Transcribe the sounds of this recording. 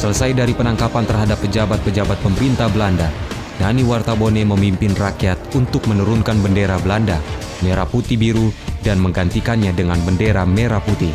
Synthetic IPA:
sələsajdaɾipənaŋkapant̪ərɦadapːəd͡ʒabat̪̚pːəd͡ʒabat̪̚pəməɾint̪abəlanda | naniwart̪aboneməmimpɪnrakiat̪unt̪ʊk̚mənuɾunkanbəndeɾabəlanda | meɾaput̪ibiɾudanməŋɡant̪ikanɲadəŋanbəndeɾameɾaput̪i

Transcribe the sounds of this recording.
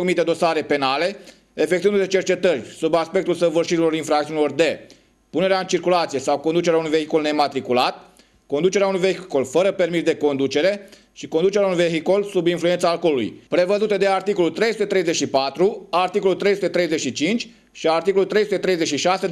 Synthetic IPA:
ɾmit̪e̞d̪o̞saɾe̞pe̞nale̞ | efekt̪iɨnd̪uet͡ʃe̞rt͡ʃe̞t̪ərʲsubaspe̞k̚t̪ulsəvɨrʃiɾilo̞ɾinfɾak̚t̪iunilo̞rd̪e̞ | puneɾeaɨnt͡ʃirkulat̪sije̞sawko̞nd̪ut͡ʃeɾaunujve̞ɦikulne̞mat̪ɾikulat̪ | ko̞nd̪ut͡ʃeɾeaunujve̞hikolfəɾəpe̞rmisd̪e̞ko̞nd̪ut͡ʃe̞ɾe̞ | ʃiko̞nd̪ut͡ʃeɾjaunujʲve̞ɦikolsubinflue̞nt̪saːlko̞lulṵjpɾe̞vəzut̪ed̪e̞art̪iko̞lult̪ɾe̞jsut̪e̞t̪ɾe̞jze̞ʃipat̪ɾuart̪iko̞lult̪ɾejsut̪et̪ɾe̞jze̞ʃit͡ʃint͡ʃʲ | ʃiart̪ikolult̪ɾejsut̪e̞t̪ɾe̞jze̞ʃiʃase

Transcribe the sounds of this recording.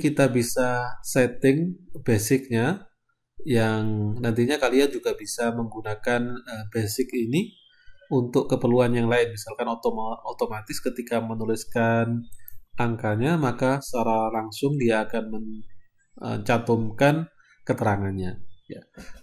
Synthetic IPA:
kit̪abisasɛt̪ɪŋb̥esɪk̚ɲa | jaŋnant̪iɲakaliand͡ʒuɡabisaməŋɡunakanəbesɪkini | unt̪ʊkːəpərluanjaŋlaɪnmisalkanot̪omot̪omat̪ɪskət̪ikamənulɪskanaŋkaɲamakasəaɾalaŋsʊŋdiaːkanməɲ | ə̰t͡ʃat̪ɔmkan | kət̪əɾaŋanɲaja̰

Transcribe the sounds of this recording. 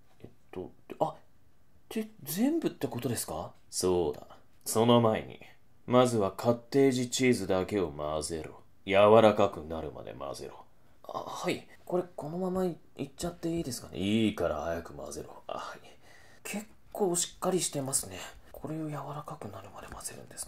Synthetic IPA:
et̪ːo | a | t̪e̞d͡zẽ̞mbɯ̟t̪ːe̞ko̞t̪o̞d̪esɨ̥ka | so̞ːd̪a̰ | so̞no̞maḛɲ̟ḭ | mazɨβakʰat̪ːe̞ːʑit͡ɕiːzɨd̪ake̞o̞maze̞ɾo̰ | jaβaɾakakɯ̟naɾɯ̟ma̰d̪e̞̰ma̰ze̞̰ɾo̰ | a̰hai | ko̞ɾe̞ko̞no̞mama | it͡ɕːat̪ːe̞iːd̪e̞sɨ̥kanḛiːkaɾa̰hajakɯ̟ma̰ze̞̰ɾo̰hai | kʰe̞kːo̞ːɕi̥kːaɾʲiɕi̥t̪e̞masɨne̞ | kʰo̞ɾe̞o̞jaβaɾakakɯ̟naɾɯ̟mad̪e̞̰maz̥e̞ɾɯ̟̰̃nd̪e̞sɨ̥

